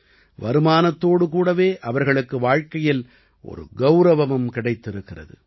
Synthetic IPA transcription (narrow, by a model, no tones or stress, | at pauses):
ʋɐɾɯmaːnɐt̪ːoːɽɯkuːɽɐʋeːʔɐʋɐɾɣɐɭɯkːɯʋaːɻkɐjɪl | ʔɔ̰ɾɯ̰ɡɐʊɾɐʋɐʋɐmkɪɽɐɪt̪ːɪɾɯkːɪrɐ̰ðɯ̰